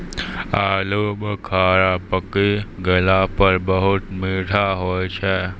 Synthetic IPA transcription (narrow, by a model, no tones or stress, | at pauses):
aːloːbkʰaːɾaːpəkiɡəlapəɾbəɦʊt̪meːʈʰaɦoːjt͡ʃʰe